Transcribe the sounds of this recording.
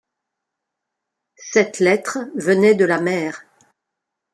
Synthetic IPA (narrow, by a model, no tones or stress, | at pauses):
sɛt̪lɛt̪χvənɛd̪əlamɛːʁ